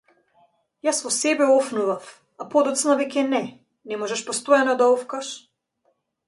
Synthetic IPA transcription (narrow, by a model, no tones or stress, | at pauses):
jasvɔsɛbɛɔfnuvaf | apɔd̪ɔt̪snavɛcʲɛnɛ | nɛmɔʒɛʃpɔst̪ɔjanɔd̪aɔfkaʃ